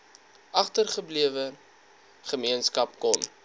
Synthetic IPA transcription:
ʔɐχtərχəbliəvə | χəmiənskɐp̚kɔn

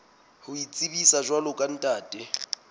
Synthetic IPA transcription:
hʊit͡sʼibisaʒwalʊkʼan̩tʼaːtʼɪ

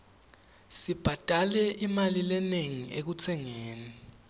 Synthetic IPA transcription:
sib̥ʱatʼalɛʔimalilɛneŋiʔek̬ut͡sʰɛŋeːni

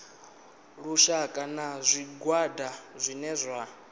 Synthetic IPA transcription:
ɺuʃakʼanazʷiɡwadazʷinɛzʷa

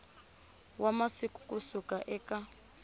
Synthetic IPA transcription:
wamasikʼu̥kʼusukaʔɛka

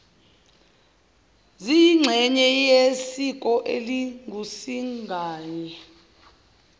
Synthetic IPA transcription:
ziŋ͡ǁʱɛɲɛjesikʼɔʔeliŋɡʱusiŋɡʱaːɲɛ

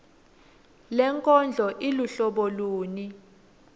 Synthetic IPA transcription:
lɛŋkʼɔnd͡ɮʱɔʔiluɬɔɓɔluːni

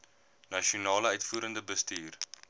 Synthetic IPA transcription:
nɐʃionɑːləœɥtfuːɾəndəbəstiːr

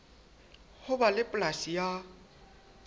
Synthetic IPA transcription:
hʊbalɪpʼlasija

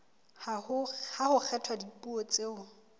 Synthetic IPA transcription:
hʊhahʊk͡xʰɛtʰwadipʼuot͡sʼeʊ

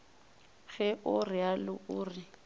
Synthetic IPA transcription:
ɣɛʔʊrɪalʊʔʊːrɪ

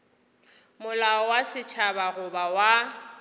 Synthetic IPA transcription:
mʊlaɔwasɪt͡ʃʰabaɣʊbawa

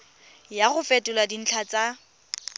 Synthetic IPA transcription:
jaχʊfɛtʼʊladin̩t͡ɬʰat͡sʼa

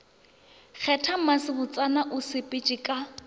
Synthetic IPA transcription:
k͡xʰɛtʰam̩masɪbʊt͡sʼanaʔʊsɪpʼɪt͡ʃʼɪkʼa

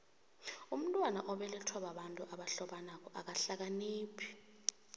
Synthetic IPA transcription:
um̩tʼwanaʔɔɓɛlitʰɔɓaɓantʼuʔaɓaɬɔɓanak̬ʼɔʔak̬aɬak̬aniːpʰi̥

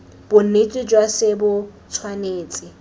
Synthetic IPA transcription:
b̥ʊn̩et͡sʼɪd͡ʒwasɪbʊt͡sʰwaneːt͡sʼɪ

